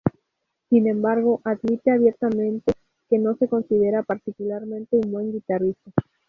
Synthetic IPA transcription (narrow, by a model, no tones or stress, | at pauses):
sinẽ̞mbaɾɣ̞o̞ʔaðmit̪e̞aβje̞ɾt̪amẽ̞nt̪e̞ | ke̞no̞se̞ko̞nsið̞e̞ɾapaɾt̪ikulaɾmẽnt̪e̞umbwe̞ŋɡit̪aristo